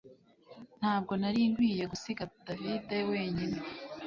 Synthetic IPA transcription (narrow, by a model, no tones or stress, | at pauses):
n̥haːb̚ɡo̞naɾiːŋɡwiːje̞ɡusiɡad̥avidewe̞ːɲine